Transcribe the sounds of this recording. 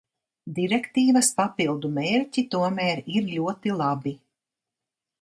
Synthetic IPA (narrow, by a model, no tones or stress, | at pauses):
d̪iɾɛkt̪iːvɐspapilˠd̪umeːɾcʲit̪uɔmæːɾiɾluɔt̪ilˠabi